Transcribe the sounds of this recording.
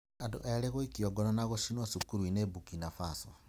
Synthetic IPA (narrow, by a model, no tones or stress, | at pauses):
ando̰ʔajaleɣoikiɔɡɔnonaɣoʃinosukuɾwinebukinafaso